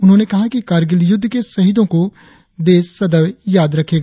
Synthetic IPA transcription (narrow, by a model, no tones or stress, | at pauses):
ʊnɦõːnekɐɦakikaːɾɡɪljʊd̪ʱːkesɐɦɪd̪õko | d̪eːsːɐd̪əʋjaːd̪ɾɐkʰeːɡaː